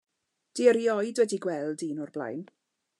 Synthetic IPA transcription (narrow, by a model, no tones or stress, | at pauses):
d̥iəɾiɔjdwɛdiɡwɛlˠdinɔrblˠa̰jn